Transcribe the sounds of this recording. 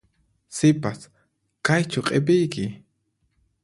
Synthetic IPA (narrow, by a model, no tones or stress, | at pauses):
sɪpas | kajt͡ʃʊqʼepɪjkɪ